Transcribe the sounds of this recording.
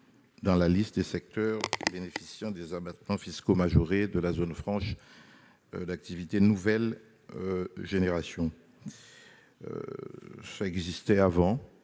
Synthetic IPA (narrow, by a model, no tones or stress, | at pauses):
d̪ɑ̃lalist̪̚d̪esɛk̚t̪œʁbenefisjɑ̃d̪ezabat̪mɑ̃fiskomaʒoʁed̪əlazonfχɑ̃ʃ | d̪ak̚t̪ivit̪enuvɛl | ʒeneʁasjɔ̃ | saɛɡzist̪ɛavɑ̃